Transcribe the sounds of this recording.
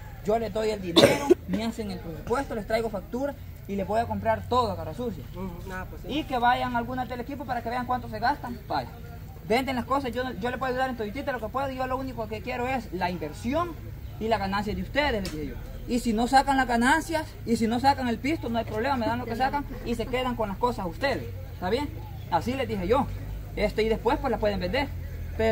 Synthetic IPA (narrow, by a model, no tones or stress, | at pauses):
d͡ʒole̞zd̪ojeld̪ineɾomeaseŋelpɾesupwe̞st̪olest̪ɾajɣofak̚t̪uɾas | ile̞zβojako̞mpɾaɾt̪oðoakarasusja | ikeβaʝaŋalɡunad̪elekipopaɾakeβeaŋkwant̪os̬eɣast̪aŋbaja | bend̪eŋlaskosasʝoʝolepweðuðaɾent̪oit̪it̪elokepweðoiʝolounikokkekje̞ɾoeslaimbeɾsjoŋ | ilaɣanans̬jad̪eust̪eð̞esled̪ihejo̰ | isino̞sakaŋlazɣanansjas | is̬inos̬akaŋelpist̪onoajpɾoβlemameðanlokes̬akaŋ | ise̞keðaŋkonlaskosasust̪eðes | t̪aβjeŋ | asile̞zd̪iheʝo | est̪eiðespwespwelapweð̞embend̪eɾ | pe